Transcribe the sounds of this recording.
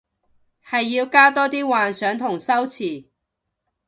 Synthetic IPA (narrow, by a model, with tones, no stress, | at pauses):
hɐ˨jːiː˧wkaː˥t̪ɔː˥t̪iː˥waː˨nsœː˨˥ŋt̪ʰʊ˨˩ŋsɐ˥wt͡sʰiː˨˩